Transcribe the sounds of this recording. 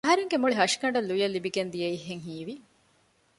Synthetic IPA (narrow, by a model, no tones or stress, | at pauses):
ɐɦɐɾeŋɡemuɭiɦɐʂi̥kɐɳɖɐlːujɐlːibiɡend̪ijeiɦːeŋɦiːʋi